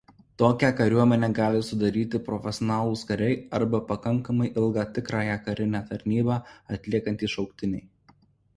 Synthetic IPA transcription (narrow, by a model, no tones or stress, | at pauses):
t̪oːkʲækɐɾʲuɔmʲɛnʲɛːɡɑːlʲɪsʊd̪ɐɾʲiːt̪ʲɪpɾɔfʲɛsʲɔnɑːlˠʊːskɐɾʲɛɪɐɾbɐpɐkɐŋkɐmɐɪʔɪlˠɡɑːt̪ʲɪkɾɑːjækɐɾʲɪnʲæːt̪ɐɾʲnʲiːbɑːɐt̪ʲlʲiɛkɐnʲt̪ʲiːʃɒʊkt̪ʲɪnʲɛ̰ɪ